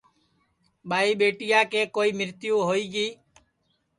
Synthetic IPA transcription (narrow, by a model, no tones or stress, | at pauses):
ɓaːiːɓeːʈɪjaːkeːkoːiːmɪɾt̪ɪjũːɦoːiːɡiː